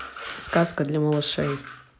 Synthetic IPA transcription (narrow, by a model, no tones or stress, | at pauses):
skaskɐd̪lʲɐmɐlˠɐʂɛj